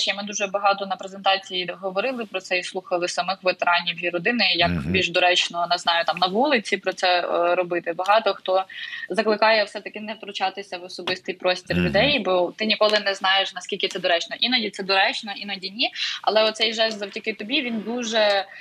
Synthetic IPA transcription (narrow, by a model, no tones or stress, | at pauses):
t͡ʃɛmɪd̪uʒɛbɐɦɑt̪ɔnɐpɾezent̪ɑt͡sʲijiɦɔʋɔɾɪlˠɪpɾɔt̪sɛislˠuxɐlˠɪsɐmɪxʋet̪eɾɑnʲiwjiɾɔd̪ɪnɪjɐkbʲilʲʒd̪ɔɾɛt͡ʃnɔnɛznɑjʊt̪ɑmnɐʋulˠɪt͡sʲipɾɔt̪sɛɾɔbɪt̪ɪbɐɦɑt̪ɔxt̪ɔzɐklˠɪkɑjɛwsɛt̪ɐkɪnɛwt̪ɾʊt͡ʃɑt̪ɪsʲɐʋɔsɔbɪst̪ɨjpɾɔsʲtʲirlʲʊd̪ɛjbɔt̪ɪnʲikɔlˠɪnɛznɑjeʃnɐskʲilʲkɪt̪ɛd̪ɔɾɛt͡ʃnɔʔinɔdʲit̪sɛd̪ɔɾɛt͡ʃnɔinɔdʲinʲiɐ̰lˠɛɔt̪sɛjʒɛszɐwtʲɐkɪt̪ɔbʲiʋʲind̪uʒɛ